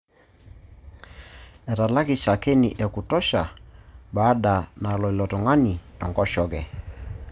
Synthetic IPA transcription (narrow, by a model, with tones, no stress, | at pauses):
ɛ˨ɾa˨la˦ki˨ʃa˨kɛ˦nḭ˨ʔɛ˨ku˨tɔ˦ʃa˨baː˦ɗa˨na˨lɔ˨i˨lɔ˨tɔ˨ŋa˦ni˨ɛ˨ŋɡɔ˦ʃɔ˦ɡɛ˨